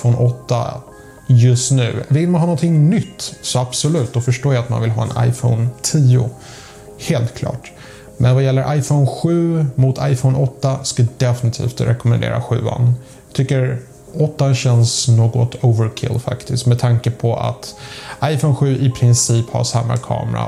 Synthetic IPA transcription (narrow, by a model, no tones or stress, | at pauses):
fɔnʔɔt̪ːa̰ | jɵst̪nʉ̟ːvɪlmanɦɑːnɔnt̪ʰɪŋnʏt̪ːsɔabsɔlʉ̟ːt̪ːɔfœʂʈoːjaːt̪ma̰nvɪlɦɑ̰ːɛ̰na̰jfɔ̰ːnt̪ʰiːʊ̰ | heːlt̪kʰlɑ̰ːʈ | mʔɛnvajɛlːəɾʔajfɔʊnɧʉ̟ːmʊt̪ʰa̰jfɔʊnɔt̪ːaskajad̪ɛfɪnɪt̪ʰḭːft̪ɾʔɛkɔmɛnd̪ḛːɾa̰ɧʉ̟̰ːa̰n | t̪ʰʏkːəɾ | ɔt̪ːanɕɛnsnoːɡɔt̪ʰovəɾkʰɪ̰lfa̰kt̪ɪst̪mɛd̪̚t̪ʰaŋkəpʰɔa̰t̪ʔajfoʊnɧʉ̟ːʔɪpʰɾɪnsiːpha̰ʂamːa̰kʰɑ̰ːmɾa̰